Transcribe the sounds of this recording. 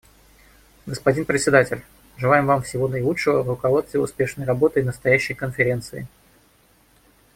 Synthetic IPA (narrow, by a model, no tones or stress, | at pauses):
ɡəspɐdʲinpɾʲɪt̪ʲsʲɪd̪atʲɪlʲ | ʐɨlˠajɪmvamfsʲɪvo̞nəɪlˠutʂɨvəvrʊkɐvt̪st̪vʲɪʊ̰spʲe̞ʂnəjrɐbo̞t̪ɨɪnəst̪ɐjæɕːəjkənfʲɪɾʲe̞nt̪sɨɪ̰